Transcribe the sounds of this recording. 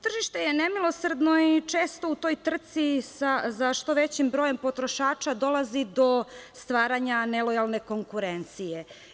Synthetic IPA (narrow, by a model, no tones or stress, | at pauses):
t̪r̩ʒiʃt̪e̞jenemilˠo̞sr̩d̪no̞it͡ʃeːst̪o̞ut̪o̞jt̪r̩t̪sisazaʃt̪o̞ʋet͡ɕimbɾojempo̞t̪ɾo̞ʃaːt͡ʃad̪o̞lazid̪o̞st̪ʋaːɾaɲanelojalˠne̞ko̞ŋkuɾent̪sije